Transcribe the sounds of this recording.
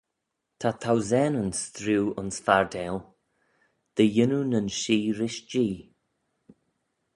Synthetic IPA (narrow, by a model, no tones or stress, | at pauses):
t̪ʰat̪ʰawzɛnənsθɾuːʊnsfaɹdɛl | d̪̥əjɪnunənʃiːɾɪʃd͡ʒiː